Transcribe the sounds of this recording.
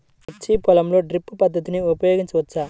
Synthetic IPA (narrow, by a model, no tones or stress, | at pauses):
ɐt͡ʃːipɔlɐmlo̞ːɖɾipːupɐd̪ːɐt̪iniupɐjoːɡiɲt͡ʃɐʋɐt͡ʃːaː